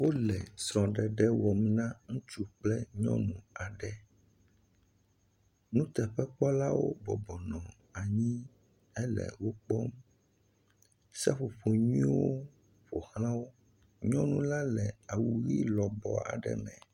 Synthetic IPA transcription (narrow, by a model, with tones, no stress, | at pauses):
wo˦lɛ˨sɾɔ̃˨ɖɛ˨ɖɛ˦wɔ˨mnã˦ŋũ˦t͡ʃu˦k͡plɛ˦ɲɔ̰̃˦nũ˨a˨ɖɛ˦ | nũ˦t̪ɛ˨ɸɛ˦k͡pɔ˦la˦wo̰˦bɔ˨bɔ˨nɔ̃˨ | a˨ɲĩ˦ | ɛ˦lɛ̰˨wo˦k͡pɔ˦m | sa˦ɸo˨ɸo˨ɲĩ˦wo˦ | ɸo˨hlã˦wo˦ | ɲɔ̃˦nũ˦la˦lɛ˨a˨wu˨ɣḭ˦lɔ˨bɔ̰˨a̰˨ɖɛ̰˦mɛ̰̃˨